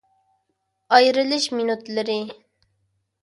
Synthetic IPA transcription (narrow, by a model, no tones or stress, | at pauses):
ɑjɾɨlɨʃminut̪lˠɨɾɪ